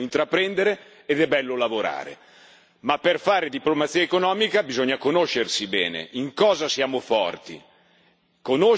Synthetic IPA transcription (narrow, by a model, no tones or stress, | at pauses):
int̪ɾapːɾɛnd̪eɾeː | d̪ɛbːɛlːolavoɾa̰ːɾḛ | mapːerfaːɾed̪iplomat̪siːaekonɔːmikabizoɲːakonoʃːersibɛ̰ːnḛʔiŋkɔːzasjaːmofɔ̰rt̪ḭ | kono